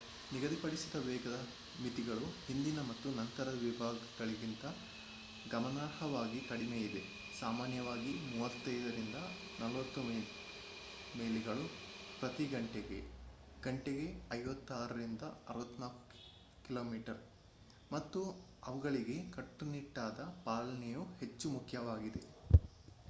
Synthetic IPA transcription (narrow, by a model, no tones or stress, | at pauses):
niɡɐd̪ipɐɽisid̪ɐʋɛːɡɐd̪ɐ | mit̪iɡɐɭuhind̪inɐmɐt̪ːunɐnt̪ɐɾɐd̪ɐʋibʱaːɡɐɡɐɭiɡint̪ɐ | ɡɐmɐnaːɾɦhɐʋaːɡikɐɽimeːid̪e̞ | saːmaːnjɐʋaːɡimuːʋɐt̪ːɐjd̪ɐɾind̪ɐ | nɐlʋɐt̪ːumː | meːliɡɐɭupɾɐt̪iɡɐɳʈeɡe̞̰ | ɡ̥ɐɳʈeɡeɐjʋɐt̪ːaːɾɐɾind̪ɐɐɾɐʋɐt̪ːnaːku̥ | kilo̞ːmiːʈɐɾ | mɐt̪ːu | ɐʋɐɡɐɭiɡe̞kɐʈːuniʈːaːd̪ɐpaːlɐnɛjuhe̞t͡ʃːumukʰjɐʋaːɡid̪e̞